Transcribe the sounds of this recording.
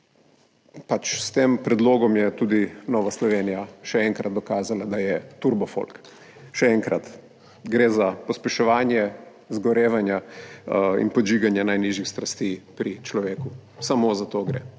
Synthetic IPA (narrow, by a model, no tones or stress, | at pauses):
pat͡ʃst̪eːmpɾɛd̪loːɡɔmjɛt̪uːd̪inɔʋaslɔʋeːnijaʃɛɛŋkɾat̪̚d̪ɔkaːzalad̪ajɛt̪uɾbɔfo̰lk | ʃɛɛŋkɾa̰t̪ | ɡɾeːzapɔspɛʃɔʋaːnjɛ | zɡɔɾeːʋanja | ḭnpɔd͡ʒiːɡanjanajniʒjixst̪ɾast̪ipɾit͡ʃlɔʋeːkusamozat̪oːɡɾḛ